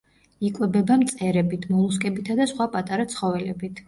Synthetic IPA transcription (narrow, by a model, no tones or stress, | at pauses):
ikʼwɛbɛbamt̪sʼɛɾɛbit̪ʰmɔlˠuskʼɛbit̪ʰad̪asχwapʼat̪ʼaɾat̪sʰχɔvɛlɛbit̪ʰ